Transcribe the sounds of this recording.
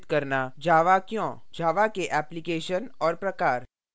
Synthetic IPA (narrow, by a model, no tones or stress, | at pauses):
t̪kɐɾnad͡ʒaːʋakjõːd͡ʒaːʋakeʔɛːplikeːʃənɔːɾpɾɐkaːɾ